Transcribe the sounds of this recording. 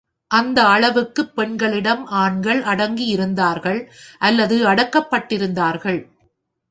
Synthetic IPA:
ʔɐnd̪ɐːɭɐʋɯkːɯpːɛɳɡɐɭɪɽɐmaːɳɡɐɭɐɽɐŋɡijɪɾɯnd̪aːɾɣɐɭʔɐlːɐðɯɐɽɐkːɐpːɐʈːɪɾɯnd̪aːɾɣɐɭ

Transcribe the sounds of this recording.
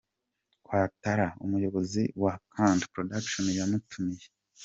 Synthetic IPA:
kwaːtaɾaṵmujo̞βo̞ziwakʰandpɾodakʃonjamutumije

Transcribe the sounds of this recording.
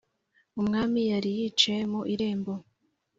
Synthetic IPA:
umŋaːmijaɾijit͡ʃe̞muʔiɾe̞ːmbo

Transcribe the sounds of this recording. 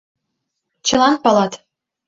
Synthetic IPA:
t͡ɕɤ̆lɑnpɑlˠɑt̪

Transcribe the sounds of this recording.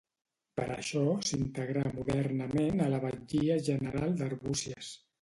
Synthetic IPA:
pəɾʔə̰ʃɔsint̪əɣɾamuðɛrnəmenələβəɲd͡ʒiəʒənəɾalˠd̪əɾβusiəs

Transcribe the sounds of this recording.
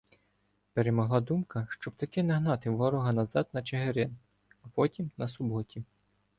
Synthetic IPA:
peɾemɔɦlˠɑd̪umkɐʃt͡ʃɔbt̪ɐkɪnɐɦnɑt̪ɪʋɔɾɔɦɐnɐzɑd̪nɐt͡ʃeɦeɾɪn | ɐpɔtʲimnɐsʊbɔtʲi

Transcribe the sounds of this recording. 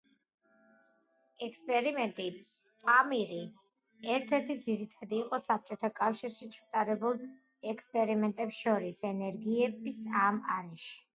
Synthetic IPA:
ɛkspʼɛɾimɛnt̪ʼi | pʼamiɾi | ɛɾt̪ʰɛɾt̪ʰid̪ziɾit̪ʰad̪iːqʼɔsap̚t͡ʃʼɔt̪ʰakʼafʃiɾʃit͡ʃʰḁt̪ʼaɾɛbulˠ | ɛkspʼɛɾimɛnt̪ʼɛpsʃɔɾisɛnɛɾɡiɛbisamaɾɛʃi̥

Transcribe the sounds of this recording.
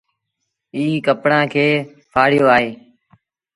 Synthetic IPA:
iːkəpɽãːkʰeː | pʰaːɽɪjoːaːɦeː

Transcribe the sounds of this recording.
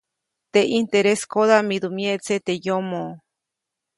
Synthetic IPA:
t̪eʔint̪eɾeskoðamid̪umjet͡set̪ejomo

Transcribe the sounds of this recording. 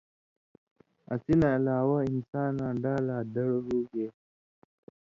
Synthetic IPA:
ʔasinaalaːwaɪnsaːnaɖaladɐɽoɾuːɡe

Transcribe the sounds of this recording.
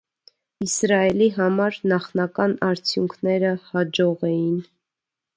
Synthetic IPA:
isɾɑɛliɦɑmɑɾnɑχnɑkɑnɑɾt͡sʰjuŋkʰnɛɾəhɑd͡ʒɔʁɛjin

